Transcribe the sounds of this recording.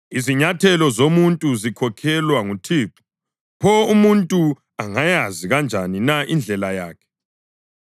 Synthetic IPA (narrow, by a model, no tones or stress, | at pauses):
iziɲatʰɛlɔzomuntʼuzikʰɔkʰɛlwaŋutʰipʰu | pʰɔumuntʼu | aŋajaziɣand͡ʒʱaninaʔind͡ɮʱɛlajaːkʰɛ̥